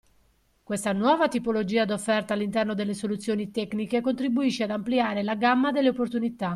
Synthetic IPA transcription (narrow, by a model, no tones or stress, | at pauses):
kwest̪anwɔːvat̪ipolod͡ʒiːad̪ofːɛrt̪aːlːint̪ɛrnod̪elːesolut̪sːjoːnit̪ɛknikekont̪ɾibuiʃːead̪ampliaːɾelaɡamːad̪elːeopːort̪unit̪a